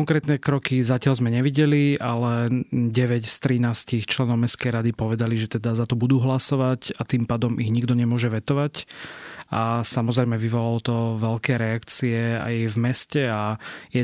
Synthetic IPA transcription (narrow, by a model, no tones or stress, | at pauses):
ɔŋkɾɛːt̪nɛkɾɔkizacɪalzmɛɲɛʋiɟɛlialɛɟɛʋɛcst̪ɾinaːscixt͡ʃlɛnɔʊmɛstkɛjɾad̪ipɔʋɛd̪aliʒɛt̪ɛd̪azat̪ɔbud̪uːɦlasɔʋacat̪impaːd̪ɔmiɣɲiɡd̪ɔɲɛmʊɔʒɛʋɛt̪ɔʋac | asamɔzɾɛɪmɛʋiʋɔlalɔt̪ɔʋɛlkɛːɾɛakt͡siɛa̰jvmɛscɛajɛ